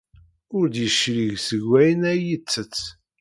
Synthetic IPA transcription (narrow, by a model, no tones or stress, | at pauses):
ʊɾd̪jəʃɾiʝsəɡwːæjənæjət͡sːət͡sː